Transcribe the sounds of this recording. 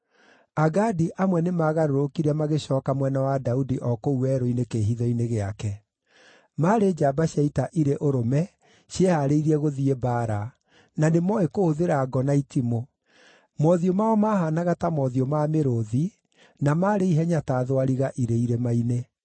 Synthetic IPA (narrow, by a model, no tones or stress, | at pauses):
aɡadiʔamwɛnemaːɣaɾoɾokiɾamaɣeɕɔːkamwɛnawadaudiʔɔkouɛɾoinekeːɦiðɔineɣeakɛ | maɾed͡ʒabaɕaitaʔiɾeʔoɾomɛ | ɕjehaɾeiɾiɛɣoðiebaːɾa | nanemɔekohoðeɾaːɡɔnaitimo | mɔðiomaɔmahanaɣatamɔðiomameɾoði | namaːɾeiɦɛɲataðwaɾiɣaʔiɾeiɾemaine